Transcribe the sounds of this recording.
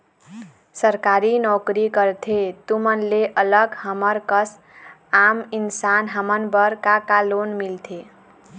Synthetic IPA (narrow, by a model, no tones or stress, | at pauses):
səɾkaɾinɔkɾikəɾt̪ʰet̪umənleʔələɡhəməɾkəs | aminsanɦəmənbəɾkakalonmilt̪ʰe